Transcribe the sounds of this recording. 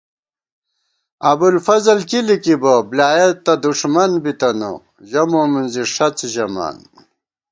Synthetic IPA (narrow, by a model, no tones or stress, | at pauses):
ɐbulfɐzɐlkilikiboblaːjet̪ːɐd̪uʂmɐnbit̪ɐno̰ | ʑɐmomunziʂɐt͡sʑɐma̰ːn